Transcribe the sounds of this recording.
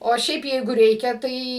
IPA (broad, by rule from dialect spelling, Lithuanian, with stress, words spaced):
oː ˈʃʲɛɪp ˈjɛɪɡʊ ˈrʲɛɪkʲɛ ˈtɐɪ